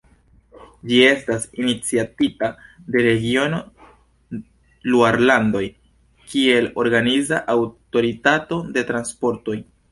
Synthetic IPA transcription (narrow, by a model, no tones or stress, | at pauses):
d͡ʒie̞stasinit͡siatitade̞ɾe̞ɡio̞no | luaɾlando̞j | kie̞lo̞ɾɡanizaʔawto̞ɾitato̞de̞tɾanspo̞ɾto̞j